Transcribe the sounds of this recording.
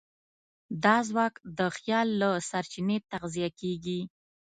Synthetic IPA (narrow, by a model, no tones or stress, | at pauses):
d̪ɑzwɑkd̪əxjɑlːasaɾt͡ʃinet̪aqzijakeɡi